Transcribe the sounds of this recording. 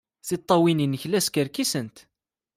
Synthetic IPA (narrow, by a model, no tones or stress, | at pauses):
θit̪ˤːɑwininːəçlæskəɾkisənt̪